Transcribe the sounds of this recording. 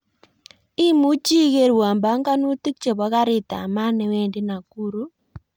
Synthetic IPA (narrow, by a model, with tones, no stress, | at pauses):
ɪ˦mu˦t͡ʃi˦ɣe˦ɾwa˨mba˦ŋɡa˦nu˦ti˦k̚t͡ʃe˨bɔ˨˦ɣa˦ɾɪ˦t̪a̰˨ma˦nɛ˨we˦ndɪ˦na˨ku˦ɾu˦